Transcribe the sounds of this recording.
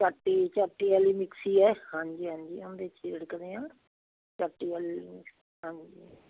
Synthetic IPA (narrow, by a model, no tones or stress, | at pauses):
t͡ʃaːʈːiːt͡ʃaːʈːiːɛːliːmɪksiːɛːhãːɲd͡ʒiːɦãːɲd͡ʒḭːnd̪eːt͡ʃʰiɾɽkəɾeːãː | t͡ʃaːʈːiːɛːlimɪks | ɦãːɲd͡ʒiː